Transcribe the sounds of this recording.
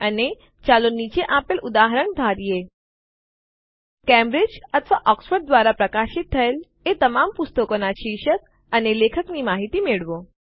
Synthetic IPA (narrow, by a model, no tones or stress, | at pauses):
əne | t͡ɕalonit͡ɕeʔapelʔud̪aɦəɾəɳd̪ʱaɾije | kɛ̃mbɾɪd͡ʒət̪ʰʋaʔɔksfəɾɖd̪ʋaɾapɾəkaʃit̪̚ʰːəel | et̪əmampʊst̪əkonaʃiʃək̚ | ənelekʰəknimaɦit̪imeɭʋo